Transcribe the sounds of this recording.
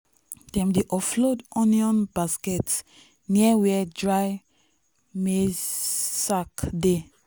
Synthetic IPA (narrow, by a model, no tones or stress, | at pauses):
d̥ɛ̃mdiʔɔflodɔ̃niɔ̃nbaskɛt | niawɛdɹaj | me | sakde